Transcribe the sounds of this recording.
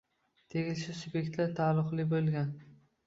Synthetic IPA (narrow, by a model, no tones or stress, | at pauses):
t̪ʰeɡʲɪlʃɪsʊbje̞k̚ʲt̪laɾt̪ʰalˠʊqlˠɪbolˠɡʲan